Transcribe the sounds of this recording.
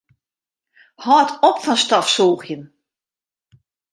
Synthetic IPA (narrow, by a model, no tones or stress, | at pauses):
hɔːtʰɔpfɔnstɔfsoːɣjən